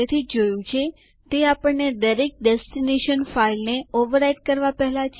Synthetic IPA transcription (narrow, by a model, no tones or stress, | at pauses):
et̪ʰid͡ʒojũt͡ʃʰe | t̪eapəɳned̪əɾek̚ɖesʈineʃənfailneoʋəɾaiɖ̚kəɾʋapɛɦlat͡ʃʰ